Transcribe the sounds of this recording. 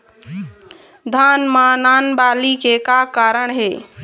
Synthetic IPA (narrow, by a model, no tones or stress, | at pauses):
d̪ʱaːnmãnaːnbaːlikekaːkaːɾəɳɦeː